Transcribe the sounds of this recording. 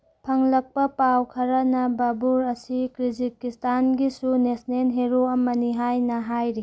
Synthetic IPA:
pʰɐŋlɐk̚pɐpawkʰɐɾɐnɐbabuɾɐsikɾizikistʰanɡisunesnenɦeɾoɐmɐniɦajnɐɦajɾi

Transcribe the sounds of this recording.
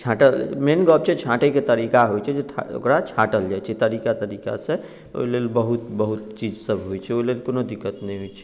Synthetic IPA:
t͡ʃʰaʈəlmenɡɔb̚t͡ʃʰɛt͡ʃʰaʈeket̪əɾikaɦojt͡ʃʰɛd͡ʒeʈʰo̰kɾat͡ʃʰaʈəld͡ʒajt͡ʃʰɛt̪əɾikat̪əɾika̰sẽ | o̰ilelbəɦut̪bəɦut̪̚t͡ʃid͡ʒsəbʱɦojt͡ʃʰɛoilelkonod̪ikːət̪nɛjɦojt͡ʃʰɛ̥

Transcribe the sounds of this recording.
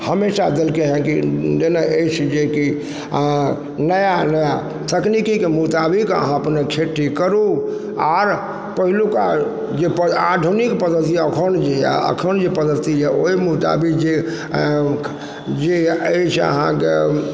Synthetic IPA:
həmesad̪elkeɦɛ̃kid͡ʒenaʔet͡ʃʰd͡ʒeki | nəjanəja | t̪ʰəknikikemut̪abikə̰ɦãəpnekʰeʈikəɾu | aɾ | pəɦiluka | d͡ʒepəad̪ʱunikpəd̪əɾt̪iəkʰənd͡ʒḛə̰kʰənd͡ʒepəd̪əɾt̪id͡ʒɛoimut̪a̰bikd͡ʒe | d͡ʒeet͡ʃʰə̰ɦã̰ke

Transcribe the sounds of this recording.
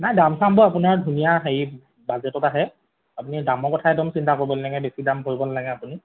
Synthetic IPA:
najdamsambɔapunaɹdʱunijaxej | bazɛtɔtaɦɛ | apunidamɔɹkɔtʰaɛdɔmsintakoɹbɔlnaɡɛbesidamkoɹibɔlnaɡɛapuni

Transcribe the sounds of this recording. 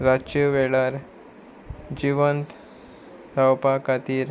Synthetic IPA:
ɾat͡ʃəʋeɭaɾ | d͡ʑiʋənt̪ | sawpakat̪iːɾ

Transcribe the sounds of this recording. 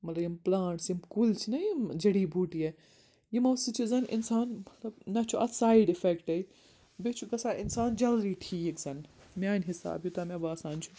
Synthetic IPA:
mɐt̪lɐbjimplãːɳʈsimkult͡ʃʰinɐjimd͡ʒɐɽiːbʱuːʈije | jimɐwsit͡ʃʰizɐnʔɪ̰nsaːnmɐt̪lɐbnɐt͡ʃʰuʔɐt̪saːiɖifekʈɐj | bet͡ʃʰukɐsaːɪnsaːnd͡ʒɐlɾiːʈʰiːkzɐnmʲaːnʲɦisa̰ːbjut̪ɐmʲɐbaːsaːnt͡ʃʰu

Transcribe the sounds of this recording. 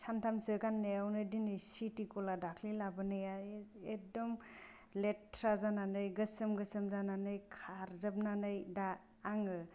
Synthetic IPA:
santʰamsɯɡanːejawnɯdinɯjsitikɔladakʰlilabɯnɯjaedɔm | letʰɾazananɯjɡɯsɯmɡɯsɯmzananɯjkʰaɾzɯp̚nanɯjdaː | ŋɯ

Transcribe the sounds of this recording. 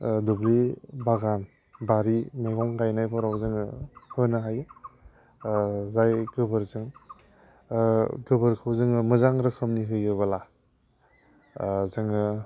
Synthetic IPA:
dublibaɡan | baɾimeɡɔŋkajnajpʰɔɾawzɯŋɯhɯnɯɦaj | zajɡɯbɯɾzɯŋ | ɡɯbɯɾkʰɯwzɯŋɯmɯzaŋɾɯkʰɯmniɦɯjɯbala | zɯŋɯ

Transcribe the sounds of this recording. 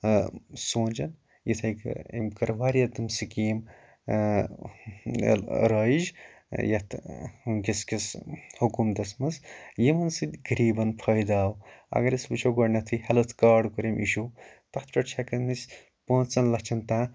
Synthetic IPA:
sõːnʲd͡ʒɐn | jit̪ʰɐjkḭmkɐɾʋaːɾiɐt̪ɨmsikiːm | ɾɐːid͡ʒ | jɐt̪ʰɡʲiskɐshukumd̪ɐsmɐzjimɐnsɨd̪ʲɡɐɾiːbɐnpʰɐjd̪aːwɐ̰ɡɐɾɐsbut͡ʃʰoɡɐɾnɐt̪ʰihɐlɐt̪ʰkaːɖkuɾemʔḭʃut̪ɐt̪̚ʰpʲɐʈt͡ʃʰɐkɐnisʲ | põːnt͡sɐnlɐt͡ʃʰɐnt̪ãː

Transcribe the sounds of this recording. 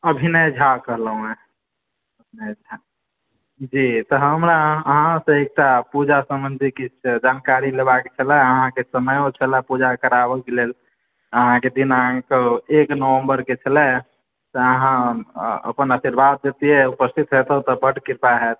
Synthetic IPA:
əbʱinəd͡ʒʱakəɦləɦũme | əbʱinəd͡ʒʱa | d͡ʒit̪ɔɦəmɾaəɦaãsə̃ek̚ʈapud͡ʒasəmənd̪ʱikit͡ʃʰd͡ʒankaɾilebaket͡ʃʰəlɛəɦãkesəməjõt͡ʃʰəlɛpud͡ʒakəɾabəkelel | əɦãked̪inəɦãkeeknəwə̃mbəɾket͡ʃʰəlɛ | t̪ɔəɦãə̰pənəsiɾbad̪̚d͡ʒet̪ieupəst̪ʰit̪ɦet̪ət̪ɔbəʈkiɾpaɦɛt̪

